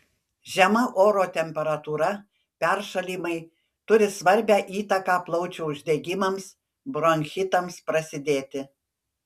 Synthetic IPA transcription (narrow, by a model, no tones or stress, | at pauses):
ʒʲɛmɐʔoːɾoːt̪ʲɛmʲpʲɛɾɐt̪uːɾɐ | pʲɛɾʃɐlʲiːmɐɪ | t̪ʊɾʲɪsʋɐɾʲbʲæːʔiːt̪ɐkɑːplˠɐʊt͡ʃʲɛʊʒʲd̪ʲɛɡʲɪmɐms | bɾoŋʲxʲɪt̪ɐmspɾɐsʲɪd̪ʲeːt̪ʲɪ